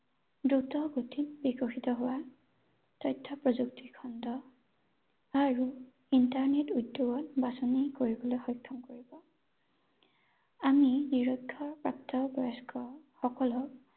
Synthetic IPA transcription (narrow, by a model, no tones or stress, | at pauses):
dutɔɡotʰinbikɔxitɔɦʊwa | tɔjtʰːɔpɹɔzuktikʰɔndɔ | aɹu | intaɹnetujdːoɡɔtbasɔnikoɹibɔlojxɔjkʰːɔmkoɹibɔ | aminiɹɔɡʰʱɔpɹap̚tɔɡɔɛskɔxɔkɔlɔ